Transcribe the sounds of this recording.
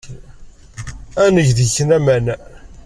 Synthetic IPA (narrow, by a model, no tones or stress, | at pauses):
ænəʝðəçənæmæn